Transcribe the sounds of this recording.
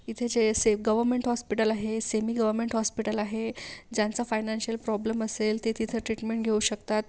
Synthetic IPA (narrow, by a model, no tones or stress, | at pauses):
it̪ʰed͡zeseɡəʋəɾmeɳʈhɔspiʈəlaɦesemiːɡəʋəɾmeɳʈhɔspiʈəlaɦed͡ʑjant͡safajnanɕiəlpɾɔbləməselt̪et̪ʰit̪ʰəʈɾiʈmeɳʈ̚ɡʱeuːɕəkt̪at̪̚